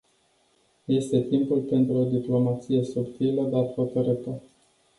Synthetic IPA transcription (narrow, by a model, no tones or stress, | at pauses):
je̞st̪e̞t̪impulpe̞nt̪ɾuod̪iplo̞mat̪sije̞supt̪iləd̪at̪fot̪əɾɨt̪ə